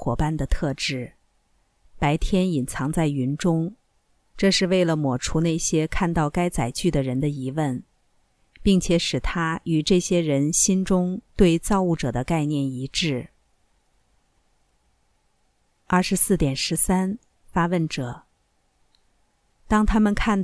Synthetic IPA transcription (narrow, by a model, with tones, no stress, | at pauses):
wɔ̰˨˩pa˥nd̪ə˨t̪ʰɤ˥˧ʈ͡ʂɻ̩˥˩ | pa˧˥ɪt̪ʰjɛ˥ni˨˩nt͡sʰɑ˧˥ŋt͡sa˥˩ɪy˧˥nʈ͡ʂʊ˥ŋ | ʈ͡ʂɤ˥˧ʂɻ̩˥˧we˥˩ɪlə˩mwɔ˨˩ʈ͡ʂʰu˧˥ne˥˩ɪɕjɛ˥kʰa˥˧nt̪ɑ˥˩ʊka˥ɪt͡sa˨˩ɪt͡ɕy˥˩d̪ə˩ɻə˧˥nd̪ə˧i˧˥wə˥˩n | pi˥˩ŋt͡ɕʰjɛ˨˥ʂɻ̩˨˩t̪ʰa˥y˨˩ʈ͡ʂɤ˥˩ɕjɛ˥ɻə˧˥nɕi˥nʈ͡ʂʊ˥ŋt̪we˥˧ɪt͡sɑ˥˧ʊu˥˩ʈ͡ʂɤ˨˩d̪ə˦ka˥˧ɪnjɛ˥˩ni˧˥ʈ͡ʂɻ̩˥˩ | ɐ˞˥˩ʂɻ̩˧˥sɹ̩˥˩t̪jɛ˨˩nʂɻ̩˧˥sa˥n | fa˥wə˥˩nʈ͡ʂɤ˨˩˦ | t̪ɑ˥ŋt̪ʰa˥mə˨nkʰa˥˩nt̪